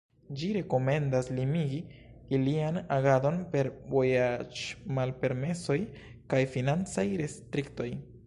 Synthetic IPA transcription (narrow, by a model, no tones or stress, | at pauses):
d͡ʒiɾe̞ko̞me̞ndaslimiɡiː | lianaɡado̞npe̞ɾvo̞jad͡ʒmalpe̞ɾme̞so̞jkajfinant͡sajɾestɾikto̞j